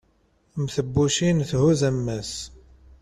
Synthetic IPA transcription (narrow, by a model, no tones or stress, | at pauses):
mθəbːuʃinθhuzæmːæs